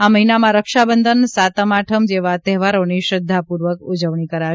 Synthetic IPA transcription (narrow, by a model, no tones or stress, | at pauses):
aməɦinamãɾəkʃabənd̪ʱənsat̪əmaʈʰəmd͡ʒeʋat̪ɛɦʋaɾoniʃɾəd̪ʱːapuɾʋəkud͡ʒəʋɳikəɾa